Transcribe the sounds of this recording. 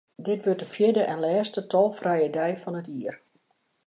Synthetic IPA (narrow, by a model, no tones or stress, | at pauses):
dɪtʋøtəfjɪdəʔɛnlɛːstətʰɔlˠfrɛjədɛjfɔnətiər